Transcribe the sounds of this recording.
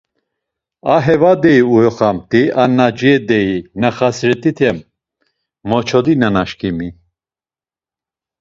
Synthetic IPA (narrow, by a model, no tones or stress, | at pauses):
aɦɛvad̪ɛiujɔχamt̪ʼiʔanad͡ʒiɛd̪ɛinaχasɾɛt̪ʼit̪ʰɛmː | ɔt͡ʃʰɔd̪inanaʃkʰimi